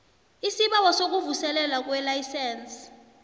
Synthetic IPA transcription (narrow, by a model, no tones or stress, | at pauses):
isiɓawɔsok̬uvusɛlɛlak̬wɛlajsɛːns